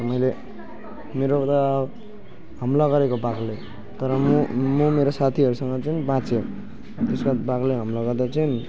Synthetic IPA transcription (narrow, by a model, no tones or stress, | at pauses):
mʌjle | meɾot̪a | ɦʌmlaɡʌɾekobaɡle | t̪ʌɾʌmumumeɾosat̪ʰiʌɾusʌŋɡʌt͡sʌnibãt͡se | t̪eskabaɡleɦʌmlaɡʌrd̪at͡sajni